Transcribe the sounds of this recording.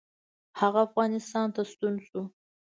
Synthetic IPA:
haɣaːfɣɑnɪst̪ɑnt̪ast̪unsu

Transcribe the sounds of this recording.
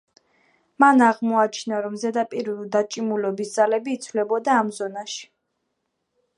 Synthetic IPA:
manaʁmɔat͡ʃʰnaɾɔmzɛd̪apʼiɾd̪at͡ʃʼimulɔbisd̪z̥alɛbiːt̪sʰvlɛbɔd̪aːmzɔnaʃi̥

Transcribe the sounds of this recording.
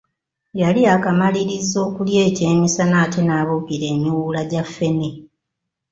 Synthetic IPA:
jaliakamaliɾizo̞ːkulje̞ːce̞ːmisanaːtenaːβokiɾe̞ːɲːuwulaɟafːe̞ne

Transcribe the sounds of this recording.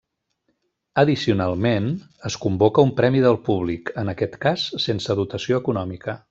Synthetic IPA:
əðisiunalˠmen | əskumbokəumpɾɛmiðəlˠpuβlikənəkɛt̪kasːensəðut̪əsioəkunɔmikə

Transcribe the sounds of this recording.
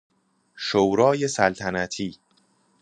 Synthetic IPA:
ʃowɾɒːje̞sælt̪ʰænæt̪ʰiː

